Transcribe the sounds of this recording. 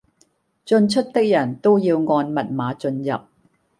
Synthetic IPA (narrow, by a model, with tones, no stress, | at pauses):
t͡sɵ˧nt͡ʃʰɵ˥t̚t̪ɪ˥k̚jɐ˨˩nt̪o˥wjiː˧wŋɔː˧nmɐ˨t̚maː˨˧t͡ʃɵ˧njɐ˨p̚